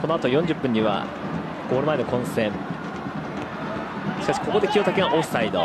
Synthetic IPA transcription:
ko̞no̞at̪o̞jõɲ̟d͡ʑɨpːɯ̟̃ɲ̟ːiβa̰ | ɡ̥o̞ːɾɯ̟maeno̞kõ̞ɰ̃sẽŋ | ɕi̥kaɕi̥ko̞kod̪e̞kʲio̞t̪akeɡaʔossaid̪o̰

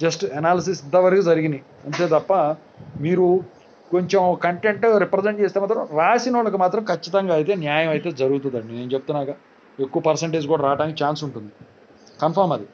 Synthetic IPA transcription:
d͡ʒɐsʈɐnaːlɐs̬isint̪ɐʋɐɾkud͡zɐɾiɡini | ɐnt̪eːt̪ɐpːɐ | miːɾu | ko̞ɲt͡ʃe̞mokɐɳʈe̞ɳʈɾipɾeseɳʈ̚t͡ʃe̞ːst̪eːmaːt̪ɾɐmɾaːsinɐɭɐkumaːt̪ɾɐmkʰɐt͡ʃːit̪ɐŋɡaːjit̪e̞ːnjaːjɐmɐjt̪e̞ːd͡zɐɾuɡut̪̬und̪aːɽneneːnt͡ʃe̞but̪unːaːkaː | e̞kːuʋɐpɐɾseɳʈeːd͡ʒkuːɽaɾaːʈaːnikɐt͡ʃaːnsuɳʈund̪i | kɐnpʰɐɾmɐd̪i

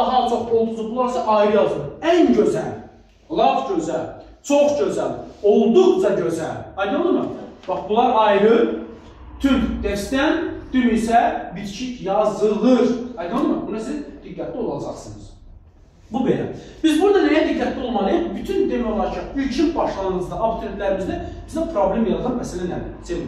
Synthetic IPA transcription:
ɦɑlt͡ʃʰo̞χo̞lˠd̪uɾzubulˠɑɾsɑʔɑjɾɯjɑlˠzɯnænɟøzæ̰l | lˠɑvɟøzæl | t͡ʃʰoχɟøzæ̰lolˠd̪uʁd͡ʒɑɟøzælɑjd̪ionlˠɯmɯb̥ɑχbulˠɑɾɑjɾɯ | t̪ʰyɾd̪ɛst̪ænd̪̥ynisæbiɾt͡ʃʰicjɑzɯlˠɯɾɑjd̪ɯnlːˠɯmɯɾbunsizd̪̥iɡːæt̪ʰlio̞lˠɑd͡ʒɑχsɯnɯz | bubelæ̰b̥izbuɾd̪ɑnɛjæd̪iɡːæt̪ʰlʲio̞lˠmɑlˠɯbyt̪ʰynd̪emæjo̞lˠɑɾt͡ʃʰiylʲt͡ʃʰinbɑʃlˠɑnɯnɯzd̪ɑʔabt̪ʰoɾet̪lʲæɾimizd̪æb̥izd̪æpʰɾo̞blʲemjɑzˠd̪ɯnmæsælænæd̪iɾsel

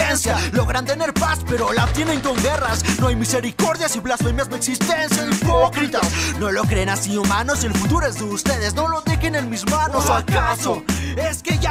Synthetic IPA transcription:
ensjalo̞ɣɾant̪e̞ne̞ɾpaspe̞ɾo̞laot̪je̞ne̞ŋko̞ŋɡe̞rasnoajmise̞ɾiko̞ɾðjasiβlasfemjazmeksist̪e̞nsjaipokɾit̪asno̞lo̞kɾenasiumano̞selfut̪uɾoezðeust̪e̞ðe̞sno̞lo̞t̪exenelmizmanosakasoe̞ske̞ʝa

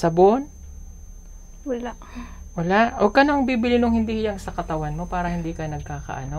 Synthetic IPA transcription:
sɐbon | wɐlaʔwɐlaʔʔokɐnoʔɐŋbiːbɪlɪnoŋhɪnd̪ihɪjɐŋsɐkɐt̪ɐwanmo̞paːɾɐhɪnd̪ikɐjnɐɡ̚kaːkɐ̰ʔɐno̞

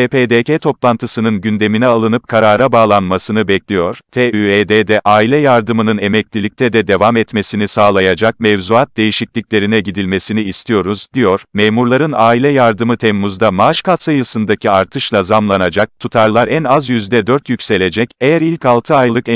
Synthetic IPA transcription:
epeːd̪ecet̪ʰo̞plˠant̪ʰɯsɯnɯnɟynd̪e̞minɛalˠɯnɯp̚kʰaɾaːɾabaːlˠanmasɯnɯbɛclʲijo̞ɾ̥t̪ʰeːyeːd̪ed̪ɛʔaːilʲɛjaɾd̪ɯmɯnɯne̞mɛclʲilʲic̚t̪ʰɛd̪ɛd̪e̞vamɛt̪me̞sinisaːlˠajad͡ʒak̚mevzuat̪̚d̪e̞jiʃiclʲicʲlʲe̞ɾinɛɟid̪ilʲme̞siniːst̪ʰijo̞ɾuzd̪ijoɾ̥meːmuɾlˠaɾɯnaːilʲɛjaɾd̪ɯmɯt̪ʰɛmːuzd̪amaʃkʰasajɯsɯnd̪acʰiaɾt̪ʰɯʃlˠazamlˠanad͡ʒak̚t̪ʰut̪ʰaɾlˠaɾænazjyzd̪ɛd̪øɾt̪ʰjycse̞lʲe̞d͡ʒɛcejæɾilʲcalˠt̪ʰɯajlˠɯk

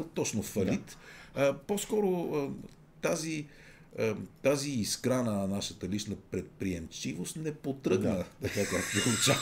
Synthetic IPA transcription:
t̪ɔt͡ʃnofɐlit̪əposkɔɾoə | t̪azi | ət̪aziːskɾanənɐnaʃət̪əlit͡ʃnəpɾɛt̪̚pɾiɛmt͡ʃivost̪nɛpot̪ɾɤɡ̪ət̪ɐkakakpout͡ʃa

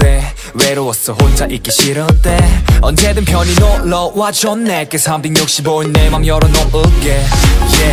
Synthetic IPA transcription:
e | weɾɯwʌs͈ʌhond͡ʑaʔik͈iɕiɾɯt̪͈eʌnd͡ʑed̪ɯnpʰjʌninɔlʌwat͡ɕʌnːek͈esʰambiŋjok̚ɕ͈iboɯnːemaŋjʌɾʌnɔɯk͈eje

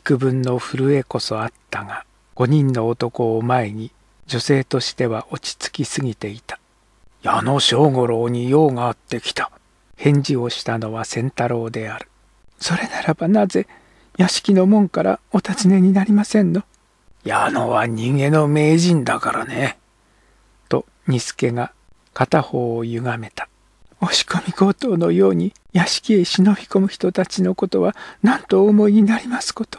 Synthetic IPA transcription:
kɯ̟bɯ̟̃nːo̞ɸɯ̟ɾɯ̟e̞ko̞so̞at̪ːaɡa | ɡ̥o̞ɲ̟ĩnːo̞ːt̪o̞ko̞ːmae̞ɲ̟i | d͡ʑo̞se̞ːt̪o̞ɕi̥t̪e̞βaʔo̞t͡ɕi̥t͡sɨ̥kʲisɨɡʲit̪e̞it̪ḁ | jano̞ɕo̞ːŋo̞ɾo̞ːɲ̟ijo̞ːŋaːt̪ːe̞kʲi̥t̪ḁ | hẽ̞ɲ̟d͡ʑio̞ɕi̥t̪ano̞βasẽ̞nt̪aɾo̞ːd̪e̞aɾɯ̟̥ | so̞ɾe̞naɾabanaze̞ | jaɕi̥kʲino̞mõ̞ŋkaɾa̰ot̪at͡sɨne̞ɲ̟inaɾʲimasẽ̞nːo̞ | jano̰βaɲ̟ĩŋɡẽ̞nːo̞me̞ːʑĩnd̪akaɾane | t̪o̞ | ɲ̟isɨ̥ke̞ŋa | kat̪aho̞ːjɯ̟ɡame̞t̪ḁ | o̞ɕi̥komʲiɡo̞ːt̪o̞ːno̞jo̞ːɲ̟i | jaɕi̥kʲieɕino̞çʲi̥ko̞mɯ̟çi̥t̪o̞t̪at͡ɕino̞ko̞t̪o̞βanãnt̪o̞ːmo̞iɲ̟inaɾʲimasɨ̥ko̞t̪o̥

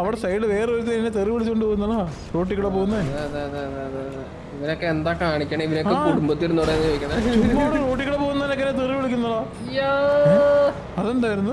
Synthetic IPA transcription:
ɐʋiɽesɐjɖɨʋe̞ːreoɾut̪ːeinːet̪eriʋiɭit͡ɕːkoɳɖɨpoːɣunːɐɭo | roːʈːikːuɽepoːɣunːɐðɐðeɐðeɐðeɐðɐðe | iʋɐnokːeend̪aːkaːɳikʲːɐɳɐiʋɐnokːekuɽumbɐt̪ːiɾunːoːɽenːɨojikʲːɐɳɐt͡ɕumːɐɽeroːʈːikːuɽepoːɣunːɐðinokːenːet̪eriʋiɭikʲːunːɐɭoː | ja | ɐðoɳɖaːjiɾunːu

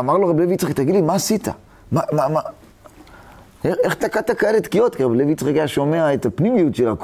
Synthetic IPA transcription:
amaʁloʁabilevit͡sχak̚t̪aɡidlimaːsit̪a̰ | mamama | eeχt̪akat̪akaelet̪kijotkiʁablevit͡sχakaʃo̞meaet̪apnimijut̪ʃelak

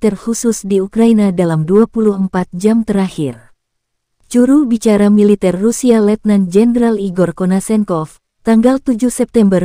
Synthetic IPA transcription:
t̪ɛrhususdiukɾainadalamduapuluhəmpat̪̚d͡ʒamt̪əɾahir | t͡ʃuɾubit͡ʃaɾamilit̪ɛrːusialɛt̪̚nand͡ʒɛnɾaliɡɔrkɔnasɛŋkɔf | t̪aŋɡalt̪ud͡ʒuhsɛp̚t̪ɛmbər

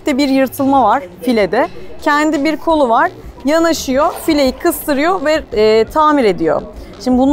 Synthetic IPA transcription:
t̪ɛbiɾjɯɾt̪ʰɯlˠmavaɾ̥filʲed̪ɛcʰɛnd̪ibiɾkʰo̞lˠuvaɾ̥janaʃɯjofilʲejikʰɯst̪ʰɯɾɯjo̞vɛːt̪ʰaːmiɾe̞d̪ijo̰ʃimd̪ɪbun

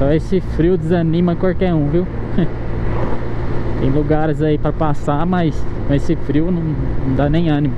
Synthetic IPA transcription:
sɔ̃esɪfɾiʊd͡ʒ̪ɪzɐnĩmɐkawkɛɾũviw | t̪ẽj̃luɡaɾɪzaipɾɐpasamɐjskɐ̃esɪfɾiwʊnɐ̃w̃nɐ̃w̃d̪anẽj̃ɐ̃nimʊ

